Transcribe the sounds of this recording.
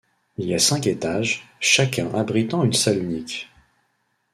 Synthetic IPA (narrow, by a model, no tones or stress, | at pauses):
iliasɛ̃ket̪aʒʃakʲɛ̃ʔabʁit̪ɑ̃ynsalynik